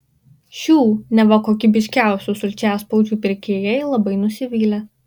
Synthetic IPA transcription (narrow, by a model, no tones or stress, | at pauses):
ʃʲuːnʲɛʋɐkoːkʲiːbʲɪʃʲkʲæˑʊsʲusʊlʲt͡ʃʲæːspɐʊd͡ʒʲuːpʲɪɾʲkʲeːjɛɪlˠɐbɐɪnʊsʲɪʋʲiːlʲɛ